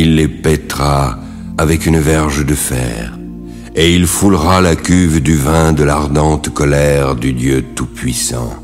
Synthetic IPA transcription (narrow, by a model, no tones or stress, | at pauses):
ilːepɛt̪ʁa | avɛkynvɛʁʒd̪əfɛ̰ʁ | eilfulʁalakʲyvd̪yvɛ̃d̪əlaʁd̪ɑ̃t̪kɔlɛʁd̪yd̪jøt̪upɥisɑ̰̃